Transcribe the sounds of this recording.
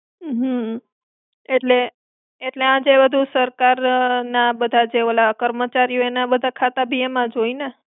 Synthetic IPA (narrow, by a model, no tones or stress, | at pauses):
ɦə | eʈle | eʈleãd͡ʒebəd̪ʱusəɾkaɾnabəd̪ʱad͡ʒeʋəlakəɾmət͡ʃaɾijoenabəd̪ʱakʰat̪abʱiemãd͡ʒoine